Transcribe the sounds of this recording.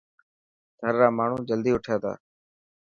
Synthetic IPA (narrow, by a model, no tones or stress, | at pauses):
d̪ʱəɾːaːmaːɳ̤ũːd͡ʒəld̪iːʊʈʰjaːt̪ʰa̰ː